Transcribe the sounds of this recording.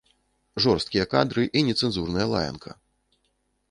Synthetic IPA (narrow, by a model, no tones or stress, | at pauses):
ʐɔrst̪kʲijɐka̰d̪ɾɨʔinʲɛt̪sɛnzurnɐjɐlˠa̰jɐ̰nkʰɐ̰